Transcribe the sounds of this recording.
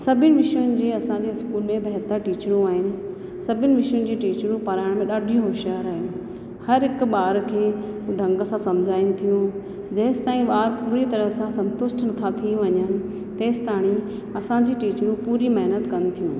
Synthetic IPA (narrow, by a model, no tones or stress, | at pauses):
sɐbʱɪnɪ̆ʋɪʃjʊnɪ̆d͡ʑeːɐsãɲd͡ʑeːɪskuːlmẽbʱɐɦt̪əɾʈiːt͡ɕɾũaːɦɪnɪ̆ | sɐbʱɪnɪ̆ʋɪʃjʊnɪ̆d͡ʑiːʈiːt͡ɕɾũpɐɾaːɪɽ̃mẽɗaːɖʱijũɦoːʃjaːɾaːɦɪnɪ̆ | hɐɾɦɪk̆ɓaːɾkʰeː | ɖʱɐ̃ŋɡə̆sãsɐmd͡ʑʱaːɪnɪ̃̆t̪ʰijũ | d͡ʑɐːɪst̪aːĩɓaːɾpuːɾit̪ɐɾəɦsãsɐ̃nt̪ʊsʈnɐt̪ʰat̪ʰiũʋɐɲənɪ̆ | t̪eːst̪aːɽ̃ĩ | ɐsãd͡ʑiːʈiːt͡ɕɾũpuːɾimɐɦnət̪kɐnɪ̆t̪ʰijũː